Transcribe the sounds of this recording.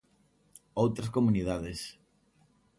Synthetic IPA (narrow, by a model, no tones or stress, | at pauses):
owt̪ɾas̬komunið̞aðes